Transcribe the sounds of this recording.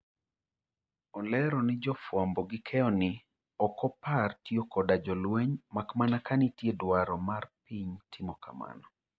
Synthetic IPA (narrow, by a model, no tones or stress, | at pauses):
ɔlɛɾɔnɪd͡ʒɔfwambɔɡɪkʰɛɔnɪ | ɔkɔpartiokɔdad͡ʒɔlweɲmakmanakanɪtjedwaɾɔmarpiɲtʰɪmɔka̰ma̰nɔ